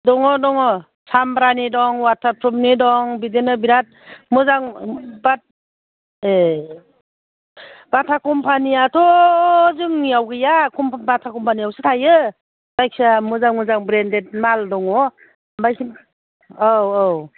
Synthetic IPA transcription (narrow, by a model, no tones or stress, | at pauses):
dɔŋɔdɔŋɔ | sambɾanidɔŋwatʰapʰɾɔmnidɔŋbidenɯbiɾat̚mɯzaŋbat̚ | e | b̥atʰakʰɔmpʰaniatʰɔzɯŋniawɡɯjakʰɔmpabatʰakɔmpʰaniawsɯtʰajɯ | b̥ajk̚samuzaŋmɯzaŋbɾendet̚maldɔŋɔ | bajkʰ | awow